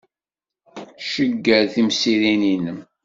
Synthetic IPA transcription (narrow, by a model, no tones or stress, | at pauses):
ʃəɡːæɾθimsiɾininəm